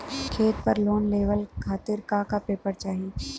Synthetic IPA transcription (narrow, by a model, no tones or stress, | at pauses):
kʰeːt̪̚pɐɾloːnleːʋəlkʰaːt̪ɪɾkakapeːpəɾt͡ʃaːɦi